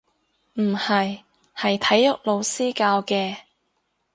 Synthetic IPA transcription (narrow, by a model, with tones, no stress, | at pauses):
m̩˨˩hɐ˨j | hɐ˨jt̪ʰɐ˨˥jːʊ˨k̚lo˨˧wsiː˥kaː˧wkɛː˧